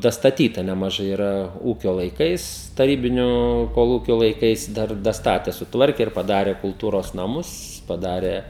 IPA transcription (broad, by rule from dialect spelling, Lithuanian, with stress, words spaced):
dɐstɐˈtʲiːtɐ nʲɛmɐˈʒɐɪ iːˈrɐ ˈuːkʲoː lˠɐɪˈkɐɪs tɐˈrʲiːbʲɪnʲoː koːˈlˠuːkʲoː lˠɐɪˈkɐɪs ˈdɐr dɐˈstɑːtʲɛ sʊˈtʋɐrʲkʲɛ ɪr pɐˈdɑːrʲɛ kʊlˠˈtuːroːs nɐˈmʊs pɐˈdɑːrʲeː